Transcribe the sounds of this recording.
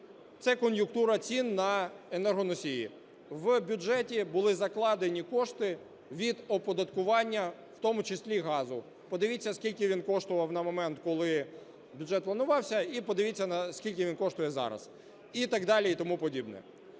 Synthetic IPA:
t̪sɛkɔnjʊkt̪uɾɐt͡sʲinːɐenɛrɦɔnɔsʲijḭ | ʋbʲʊd͡ʒɛtʲibʊlˠɪzɐklˠɑd̪enʲikɔʂt̪ɪ | ʋʲid̪ɔpɔd̪ɐt̪kʊʋɑnʲːɐ | wt̪ɔmʊt͡ʃɪsʲlʲiɦɑzʊ | pɔd̪ɪʋʲit͡sʲːɐskʲilʲkʲɪʋʲinkɔʃt̪ʊʋɐwnɐmɔmɛnt̪kɔlˠɪ | bʲʊdʐɛt̪̚plˠɐnʊʋɑwsʲɐipɔd̪ɪʋʲit͡sʲːɐnsʲkʲilʲk̬ʲɪʋʲinkɔʃt̪ʊjɛzɑ̰ɾɐ̰z̥ | it̪ɑɡd̪ɑlʲiit̪ɔmupɔdʲibnɛ̰

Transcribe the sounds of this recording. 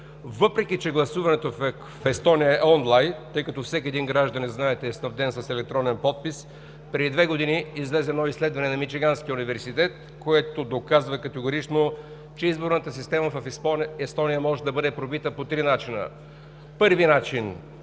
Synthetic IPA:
vɤpɾɛk̟ʲit͡ʃɛɡlˠɐsuvɐnɛt̪of | fɛst̪ɔnijəɛɔnlˠajnt̪ɤjkɐt̪ɔfsɛkʲiɛd̪inɡɾaʒd̪ɐnɛznaɛt̪ɛːsnɐvd̪ɛnsɐsɛlɛk̚t̪ɾɔnɛnpɔt̪̚pis | pɾɛd̪id̪vɛɡod̪iniːzlɛzɛnɔislɛd̪vɐnɛnɐmit͡ʃiɡansk̟iunivɛɾsit̪ɛt̪ | koɛt̪od̪okazvɐkɐt̪ɛɡoɾit͡ʃno | t͡ʃɛizboɾnət̪əsist̪ɛməffɛst̪ɔnijəmɔʒɛd̪ɐbɤd̪ɛpɾobit̪əpot̪ɾinat͡ʃinə̰ | pɤɾvinat͡ʃin

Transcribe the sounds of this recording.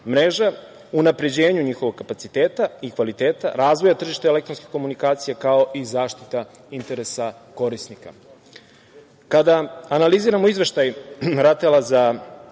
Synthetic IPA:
mɾeʒa | unapɾe̞d͡ʑe̞ːɲuɲiːxo̞ʋoɡ̚kːapat̪sit̪eːt̪aikʋalit̪e̞ːt̪a̰ɾaːzʋo̞jat̪r̩ʒiʃt̪eele̞kt̪ɾonski̥ko̞munikaːt̪sijekao̞ʔizaːʃt̪it̪a | int̪e̞ɾesa | ko̞ɾisnika̰ | kad̪aanaliziːɾamo̞izʋe̞ʃt̪ajɾat̪elˠaza

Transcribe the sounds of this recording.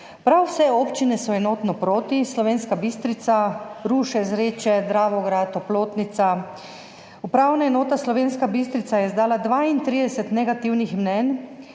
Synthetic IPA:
pɾawsɛoːpt͡ʃinɛsɔɛnoːt̪nɔpɾoːt̪islɔʋeːnskabist̪ɾit̪saɾuːʃɛzɾeːt͡ʃɛd̪ɾaːʋɔɡɾat̪ːɔploːt̪nit̪sa | upɾawnaɛnoːt̪aslɔʋeːnskabist̪ɾit̪sajɛzd̪aːlad̪ʋaːint̪ɾiːd̪ɛsɛt̪nɛɡat̪iwnixmnɛn

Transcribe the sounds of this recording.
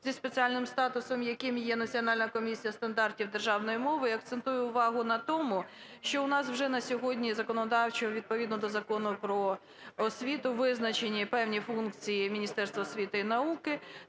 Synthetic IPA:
zʲispet͡sʲiɑlʲnɪmst̪ɑt̪ʊsɔmjɐkɪmjɛnɐt͡sʲiɔnɑlʲnɐkɔmʲisʲijɐst̪ɐnd̪ɑrtʲiwd̪erʒɑwnɔjimɔʋɪɐk̚t̪sent̪ujɛʊʋɑɦʊnɐt̪ɔmʊʃt͡ʃɔʊnɑswʒɛnɐsʲɔɦɔdʲnʲizɐkɔnɔd̪ɑwt͡ʃɔɦɔʋʲid̪̚pɔʋʲid̪nɔd̪ɔzɐkɔnʊpɾɔ | ɔsʲʋʲit̪ʊʋɪznɐt͡ʃenʲːipɛwnʲifunkt͡sʲijimʲinʲist̪ɛrst̪ʋɐːsʲʋʲit̪ɪinɐukɪ

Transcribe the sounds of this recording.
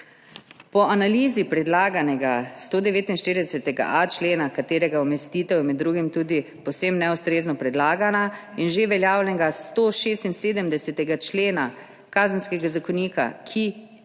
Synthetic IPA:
pɔʔanaliːzipɾɛd̪laːɡanɛɡast̪oːd̪ɛʋeːt̪inʃt̪iːɾid̪ɛsɛt̪ɛɡa̰ʔat͡ʃleːnakat̪eːɾɛɡaɔmɛst̪iːt̪ɛwmɛd̪ːɾuːɡimt̪uːd̪i | pɔwsemnɛust̪ɾeːznɔpɾɛd̪laːɡanainʒeʋɛljaːwlɛɡast̪oʃeːst̪inseːd̪əmd̪ɛsɛt̪ɛɡat͡ʃleːna | kaːzənskɛɡazakɔniːka̰kʰi

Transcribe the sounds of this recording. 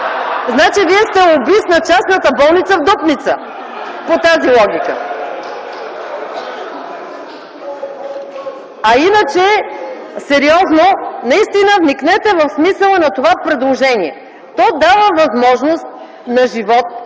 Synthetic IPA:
znat͡ʃiviɛst̪ɛobisnɐt͡ʃasnət̪əbɔlˠnit̪səvd̪ɔpnit̪sə | pot̪azilˠɔɡʲikə | ɐinət͡ʃɛ | sɛɾiɔznonɐist̪inəvniknɛt̪ɛvəfsmisəlˠənɐt̪ovapɾɛd̪lˠoʒɛniɛ | t̪ɔjd̪avəvɐzmɔʒnost̪̚ | nɐʒivɔt̪̚

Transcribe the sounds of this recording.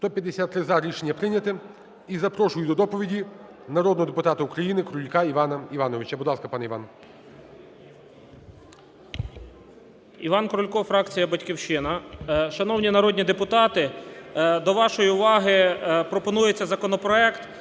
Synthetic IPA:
st̪ɔpʲjɐd̪ːesʲat̪ːɾɪzaɾʲiʃenʲːɐpɾɪnʲɐt̪ɪ | izɐpɾɔʃʊjʊd̪ɔd̪ɔpɔʋʲidʲi | nɐɾɔd̪nɔɦɔd̪epʊt̪ɑt̪ɐukɾɐjinɪkɾʊlʲkɑiʋɑnɐiʋɑnɔʋʲɪt͡ʃɐbʊd̪lˠɑskɐpɑnɛiʋɑ̰n | iʋɑnkɾʊlʲkɔfɾɑkt͡sʲijɐbɐtʲkʲiwʃɪnɐʃɐnɔwnʲinɐɾɔd̪ʲnʲid̪epʊt̪ɑt̪ɪ | d̪ɔʋɑʃɔjiʊʋɑɦɪpɾɔpɔnujet͡sʲːɐzɐkɔnɔpɾɔɛkt̪

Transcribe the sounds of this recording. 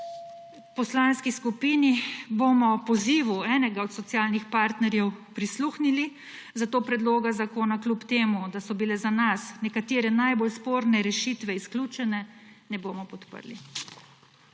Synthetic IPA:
pɔslanskiskupiːnibomɔpɔziːʋuɛːnɛɡaɔt̪sɔt̪sjaːlnixpaːɾt̪nɛɾjɛwpɾisluxnili | zat̪oːpɾɛd̪loːɡazakoːnaklʲupt̪eːmud̪asɔbilɛzanasnɛkat̪eːɾɛnajbolspoːɾnɛɾɛʃiːt̪ʋɛisklʲuːt͡ʃɛnɛnɛboːmɔpɔt̪pə̰ɾlḭ

